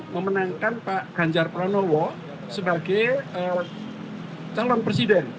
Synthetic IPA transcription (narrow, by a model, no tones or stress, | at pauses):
məmənaŋkanpaʔɡ̥aɲd͡ʒarplɔnɔwɔ | səbaɡɛjə | t͡ʃalɔnpɾesidɛn